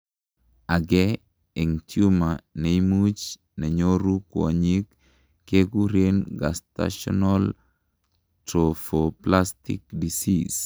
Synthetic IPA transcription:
aɡɛ | eŋtjumaneimut͡ʃ | nɛɲoɾukwɔ̰ɲikː | eɡuɾenɡa̰sta̰ʃɔ̰nal | tɾofoplastḭkdisis

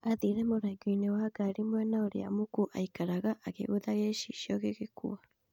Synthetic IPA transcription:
aðiɾɛmoɾaɡuinewaːɡaɾimwɛnaoɾḛa̰mukuʔaikaɾaɣaʔaɣḛɣoðaɣeʃḭʃiɔɣeɣekṵa

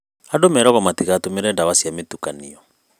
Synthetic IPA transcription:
adomɛɾɔɣɔmatikatomeɾɛdawasjametukaniɔ

